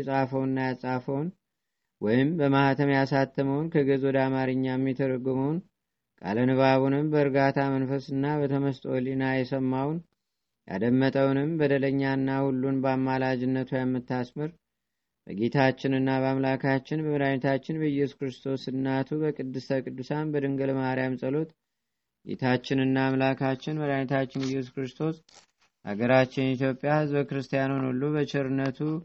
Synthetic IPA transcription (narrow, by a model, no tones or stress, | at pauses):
sʼafəwnːajasʼafəwn | wɔjɪmbəmahat̪ʰəmjasat̪ʰːəməwnkʰəɡəzɔd̪amaɾɨɲːajɛmːɛt̪ʰəɾəɡɨməwn | kʼa̰lənɨβaβunɨmbəɨɾɡat̪ʰamənfəsɨnːabət̪ʰəməst̪ʼolinajɛsəmːawn | ja̰d̪əmːət̪ʼəwnɨmbəd̪ələɲːaɨnːahulːunbəamːalad͡ʒɪnːət̪ʰujamːɨt̪ːasmɨɾ | bə̰ɡe̞t̪ʰat͡ʃːɪnɨnːaβəamlakʰat͡ʃːɪnbəməɾanɛt̪ʰat͡ʃːɪnbəjɛsu̥kɾɨst̪ʰo̞sɨnːat̪ʰubəkʼɨd̪ːɨst̪ʰəkʼɨd̪ːusanbəd̪ɨŋɡəlmaɾijamsʼəlo̞t̪ | ɡe̞̰t̪ʰat͡ʃːɪnɨnːaːmlakʰat͡ʃːɪnməɾanɛt̪ʰat͡ʃːɪnɨjːɛsu̥kɾɨst̪ʰo̞s | ʔa̰ɡəɾat͡ʃːɪnɛit̪jo̞pʼːjahɨzbəkɨɾɨst̪ʰijanunulːubət͡ʃɪɾɨnːət̪ʰu